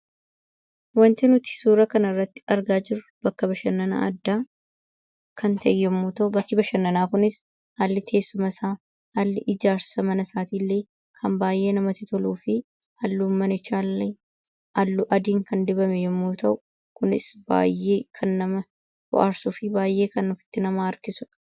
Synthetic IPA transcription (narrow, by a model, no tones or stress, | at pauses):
wɐnt̪ɪnʊt̪ɪ̥suːɾɐkɐnɐrːɐt̪ːɪ̥ɐɾɡaːd͡ʒɪɾʊbɐkːɐbɐʃɐnːɐna̰ːʔɐd̪ːaː | kɐnt̪ʰɐʔɛjːɛmːoːt̪ɐʔʊbɐkːɪbɐʃɐnːɐnaːkʊnɪs | halːɪt̪ʰe̞ːsːʊmɐsaː | halːɪʔɪd͡ʒaːɾsɐmɐnɐsaːt̪iːlːeː | kʰɐmbaːjʔe̞ːnɐmɐt̪ɪt̪ɔluːfɪ | hɐlːuːmːɐnɪt͡ʃːaːlːɛ | ɐlːʊʔɐd̪iːŋkɐnd̪ɪbɐmɛjɛmːuːt̪ɐʔʊ | kʊnɪ̰sb̥a̰ːjːe̞ːkʰɐnːɐmɐ | hɔ̰ʔaɾsʊfɪbaːjːe̞ːkɐnːʊfɪ̥t̪ːɪnɐmaːɐɾkɪsʊᶑɐ̥